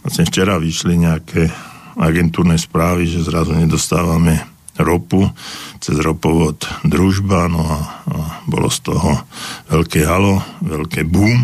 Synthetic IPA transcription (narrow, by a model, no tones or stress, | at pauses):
lasmɛft͡ʃɛɾaʋiʃliɲɛakʰɛːaɡɛnt̪uːɾnɛspɾaːʋiʒɛzɾazuɲɛd̪ɔst̪aːʋamɛ | ɾɔput͡sɛzɾɔpɔʋɔt̪d̪ɾuʒbanɔabɔ̰lɔ̰st̪ɔɦɔʋɛlkɛːɦalɔʋɛlkɛːbuːm